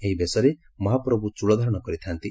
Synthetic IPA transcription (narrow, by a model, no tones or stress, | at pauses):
eɦibesɔɾe | mɔɦapɾɔbut͡ʃuɭɔd̪ʱaɾɔɽ̃ɔkɔɾit̪ʰant̪i